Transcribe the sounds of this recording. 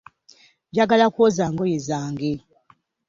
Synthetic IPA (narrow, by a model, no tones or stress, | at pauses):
βjaɡalakwozaŋɡojezaːŋɡe